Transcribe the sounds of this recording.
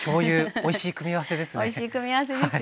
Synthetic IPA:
so̞ːjɯ̟ːoiɕiːkɯ̟mʲiβase̞d̪e̞sɨoiɕiːkɯ̟mʲiβased̪eas

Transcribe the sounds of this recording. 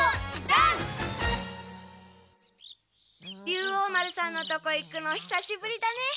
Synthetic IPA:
a | jʲɯːoːmaɾɯ̟sãnːo̞t̪o̞ko̞ikːɯ̟noçi̥saɕibɯ̟ɾʲid̪ane̞

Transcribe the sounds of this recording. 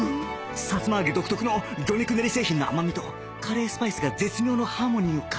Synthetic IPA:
sat͡sɨmaːɡed̪o̞kɯ̟̥t̪o̞kɯ̟no̞ɡʲo̞ɲʲikɯ̟neɾʲise̞ːçĩnːoa̰mamʲit̪o̞ | kʰaɾe̞ːsɨ̥paisɨɡad͡ze̞t͡sɨmʲjo̞ːno̞haːmo̞ɲ̟iokʰa

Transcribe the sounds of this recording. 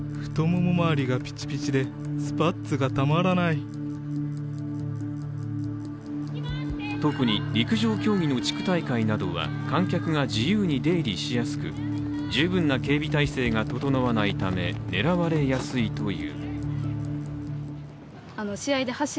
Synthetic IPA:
ɸɯ̟̥t̪o̞momomaːɾʲiɡapʲi̥t͡ɕi̥pʲit͡ɕid̪e̞ | sɨ̥pat̪t͡sɨɡat̪amaɾanai | t̪o̞kɯ̟ɲ̟iɾʲikɯ̟ʑo̞ːkʲo̞ːɡʲino̞t͡ɕi̥kɯ̟̥t̪aikainad̪o̞̰βa̰ | kãŋkʲakɯ̟ɡad͡ʑijɯ̟ːɲ̟id̪e̞ːɾʲiɕijasɨ̥kɯ̟̰ | d͡ʑɨːbɯ̟̃nːake̞ːbʲit̪aise̞ːɡat̪o̞t̪o̞naβanait̪ame̞̰ne̞ɾaβaɾe̞jasɨit̪o̞jɯ̰ː | anoɕiaid̪e̞haɕ

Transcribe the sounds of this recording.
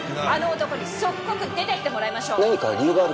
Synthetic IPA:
ano̞ːt̪o̞ko̞ɲ̟isokkːo̞kɯ̟d̪e̞t̪e̞kʲi̥t̪e̞mo̞ɾaimaɕo̞ːnaɲikaɾʲiːɡaɾ

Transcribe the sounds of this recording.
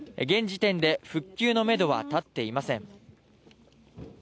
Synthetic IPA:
ɡẽ̞ɲ̟d͡ʑit̪ẽ̞nd̪e̞ɸɯ̟kʲːɨːno̞me̞d̪o̞βa̰t̪at̪ːe̞imasẽ̞ɴ

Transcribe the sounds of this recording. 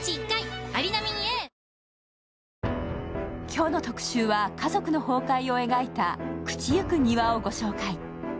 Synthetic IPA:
t͡ɕiːkːaiaɾʲinamʲiɲ̟ie | kʲo̞ːno̞t̪o̞kɯ̟̥ɕɨːβakazo̞kɯ̟no̞ho̞ːkaio̞e̞ɡait̪akɯ̟̥t͡ɕijɯkɯ̟ɲ̟iβao̞ɡo̞ɕo̞ːkai

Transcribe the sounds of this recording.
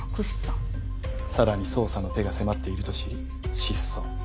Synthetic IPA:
kɯst̪o | saɾaɲ̟iso̞ːsano̞t̪e̞ɡase̞mat̪ːe̞iɾɯ̟t̪o̞ɕiɾ | ɕisːo̰

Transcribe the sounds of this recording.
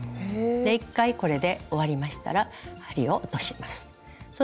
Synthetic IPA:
d̪e̞ikːaiko̞ɾe̞d̪e̞o̞βaɾʲimaɕi̥t̪a̰ɾahaɾʲio̞ʔt̪o̞ɕi̥masɨ̥ | so

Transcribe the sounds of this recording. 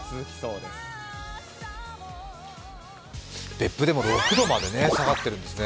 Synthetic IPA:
soːd̪esɨ̥ | b̥e̞pːɯ̟d̪e̞mo̞ɾo̞hɯ̟d̪omad̪e̞ne̞saɡat̪ːeɾɯ̟̃nd̪e̞sɨne

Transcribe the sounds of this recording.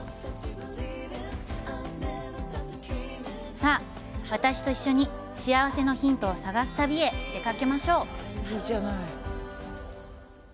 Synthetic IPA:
saː | βat̪aɕi̥t̪o̞iɕːo̞ɲ̟i | ɕiaβase̞no̞çĩnt̪o̞ːsaɡasɨ̥t̪abʲie̞d̪̥e̞kake̞maɕo̞ːid͡ʒanai

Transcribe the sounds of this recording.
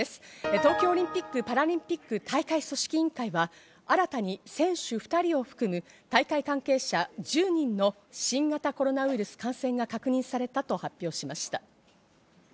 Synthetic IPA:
esɨ̥t̪o̞ːkʲo̞ːɾʲĩmpʲikːɯ̟paɾaɾʲĩmpʲikːɯ̟t̪ʰaikaiso̞ɕi̥kʲiĩŋkaiβa | aɾat̪aɲ̟isẽ̞ɰ̃ɕɨɸɯ̥t̪aɾʲio̞ɸɯ̟̥kɯmɯ̟ | t̪aikaikãŋke̞ːɕad͡ʑɨːɲ̟ĩnːo̞ | ɕĩŋɡat̪ako̞ɾo̞naɯiɾɯ̟sɨ̥kãɰ̃sẽ̞ŋɡakakɯ̟ɲ̟ĩɰ̃saɾe̞t̪at̪o̞hapʲːo̞ːɕimaɕi̥t̪a

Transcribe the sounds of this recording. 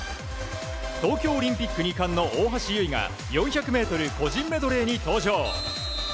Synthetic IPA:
t̪o̞ːkʲo̞ːɾʲĩmpʲikːɯ̟ɲ̟ʲikãnːo̞ʔoːɦaɕijɯ̟iɡa̰ | jõ̞ɰ̃çakɯ̟me̞ːt̪o̞ɾɯ̟ko̞d͡ʑĩmːe̞d̪o̞ɾe̞ːɲ̟it̪o̞ːʑo̞ː

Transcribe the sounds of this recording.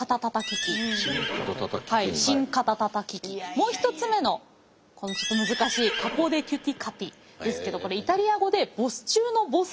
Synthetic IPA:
kat̪at̪at̪akʲikʲikt̪t̪khaiɕĩŋkat̪at̪at̪akʲikʲimo̞ːçi̥t̪o̞t͡sɨme̞no̞ | ko̞not͡ɕo̞t̪ːo̞mɯ̟zɨkaɕiːkako̞ːd̪e̞kʲɨt̪ʲikʰap̪ʲi | d̪e̞sɨ̥ke̞d̪o̞ko̞ɾe̞it̪aɾʲiaɡo̞d̪e̞bo̞sɨ̥t͡ɕɨːno̞bo̞s

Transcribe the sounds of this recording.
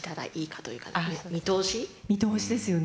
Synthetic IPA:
t̪aɾa̰ʔiːkʰḁt̪o̰jɯ̟ka̰amʲit̪o̞ːɕimʲit̪o̞ːɕid̪e̞sɨjo̞n

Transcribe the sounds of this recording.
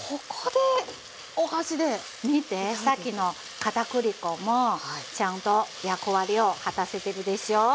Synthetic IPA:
kʰokʰod̪̥e̞ | ohaɕid̪e̞ | mʲit̪e̞sakʲino̞ | kat̪akɯ̟ɾʲiko̞mo̞t͡ɕãnt̪o̞jakoβaɾʲio̞hat̪ase̞t̪e̞ɾɯ̟d̪e̞ɕio

